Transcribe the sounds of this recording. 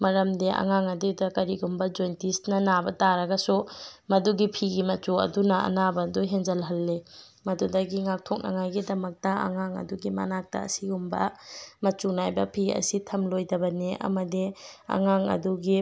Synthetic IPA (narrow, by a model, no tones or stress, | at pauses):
mɐɾɐmdeʔa̰ŋaŋɐdedɐkɐɾiɡumbɐd͡ʒojntisnɐnabɐtaɾɐɡɐsumɐduɡipʰiɡimɐt͡ʃuɐ̰dunɐɐ̰nabɐduɦeŋzɐlɦɐlːe | mɐdudɐɡiŋak̚tʰɔk̚nɐ̰ŋajɡidɐmɐk̚tɐa̰ŋaŋɐ̰duɡima̰nak̚tɐ̰ɐ̰siɡumbɐ̰mɐt͡ʃunajbɐpʰiɐ̰sitʰɐmlojdɐbɐneɐ̰mɐdia̰ŋaŋɐ̰duɡi